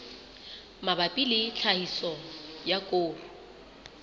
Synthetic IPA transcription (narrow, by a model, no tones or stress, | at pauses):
mabapʼilɪt͡ɬʰahisɔjakʼoːrʊ